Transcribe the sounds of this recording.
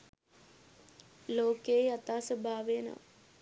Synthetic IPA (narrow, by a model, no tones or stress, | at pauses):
loːkeat̪aːsəbʱaːʋejənə̰ʋ